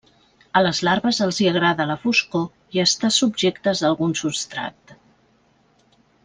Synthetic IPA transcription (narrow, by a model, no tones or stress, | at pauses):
ələzlaɾβəzəlˠziəɣ̞ɾaðələfusko | iəst̪asubʒekt̪əzðəlˠɣunsupst̪ɾa̰k̚t̪